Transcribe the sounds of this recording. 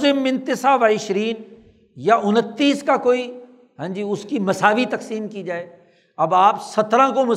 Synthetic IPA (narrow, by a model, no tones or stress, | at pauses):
zɪmɪ̃nt̪ɪsaːʋaːɪʃɾiːn | jaʔʊnət̪ːiːskakoːi | ɦãːɲd͡ʒiʊskimɐsaːʋit̪ɐksiːmkid͡ʒaːeː | ɐbaːpsɐt̪ɾãkomɐ